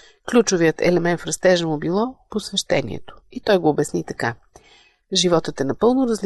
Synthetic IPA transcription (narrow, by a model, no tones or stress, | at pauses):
klʲut͡ʃovijət̪ɛ̰lɛmɛnt̪fɾɐst̪ɛʒəmobilˠɔposvɛʃt̪ɛnḭɛ̰t̪o̥it̪ɔjɡoːbɛsnit̪ɐka | ʒivɔt̪ət̪ɛnɐpɤlˠnoɾɐzl